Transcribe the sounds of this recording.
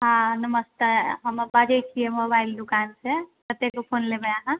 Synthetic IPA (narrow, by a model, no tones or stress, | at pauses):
ɦãnəməst̪eɦəmbad͡ʒəjt͡ʃʰiɦɛmobaild̪ukansek̪ət̪ːekopʰonlebəjaɦã